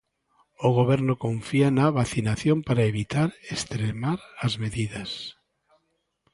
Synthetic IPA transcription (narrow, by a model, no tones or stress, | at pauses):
oɣ̞oβ̞eɾnokoɱfianaβaθinaθjompaɾaeβit̪aɾest̪ɾemaɾazmeðiðas